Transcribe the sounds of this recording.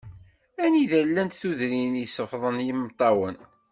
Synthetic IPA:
æniðælːænt̪θuðɾinjsəfðˤənjimːt̪ˤːɑwən

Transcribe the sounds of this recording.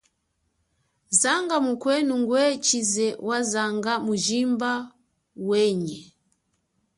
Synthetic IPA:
zaŋɡamukwɛnuŋɡwɛt͡ʃizɛwazaŋɡamuʒimba | wɛɲɛ

